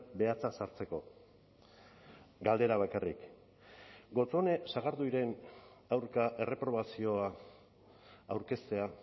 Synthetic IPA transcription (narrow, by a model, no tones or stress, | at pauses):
be̞at͡sasaɾt͡se̞ko̞ | ɡald̪e̞ɾaβ̞akarḭk | ɡo̞t͡so̞ne̞saɣ̞aɾd̪uiɾe̞nawɾkaʔe̞re̞pɾo̞βasio̞a | wɾke̞st̪e̞a